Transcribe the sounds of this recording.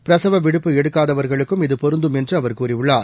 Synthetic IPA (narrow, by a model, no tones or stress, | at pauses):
pɪɾɐsɐʋɐʋɪɽɯpːɯɛɽɯkːaːðɐʋɐɾɣɐɭɯkːɯmɪðɯpɔɾɯnd̪ɯmɛndrɯɐʋɐɾkuːriɯɭːaːɾ